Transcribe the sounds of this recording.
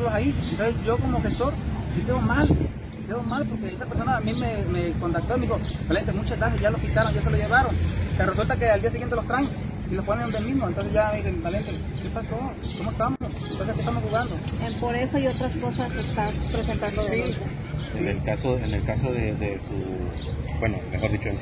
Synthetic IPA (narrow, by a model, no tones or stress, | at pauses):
losaient̪onsesʝo̞ko̞moxe̞st̪o̞ɾsikeðomal | keðomalpoɾkeesape̞ɾso̞naːmimemeko̞nt̪ak̚t̪oimixot̪alent̪emut͡ʃazlaxezʝaloskit̪aɾonʝaseloʝeβaɾonkeresult̪akeald̪ias̬iɣent̪elost̪ɾaɲe | ilosponeund̪emiðmont̪o̞nsezʝameðisemt̪alent̪e | ke̞paso̞ | komoest̪amosentonseskest̪amoxuɣand̪oepoɾesoajot̪ɾasko̞sasest̪aspɾesent̪and̪oðeiso | enelkasoenelkasoðeðesṵ | bwenomexo̞ɾðit͡ʃoens